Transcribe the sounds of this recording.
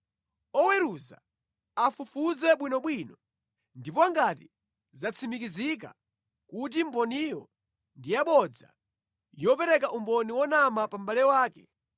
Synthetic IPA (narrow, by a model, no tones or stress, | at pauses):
ɔwɛɾuza̰ | afufuzɛɓwinɔɓwinɔ | ndipɔaŋɡati | zat͡sʰimikizik̬a̰ | kut̬imbɔnijɔ | ndijaɓɔd͡za̰ | jɔpɛɾɛkaʔumbɔniwɔnamapambalɛwaːkɛ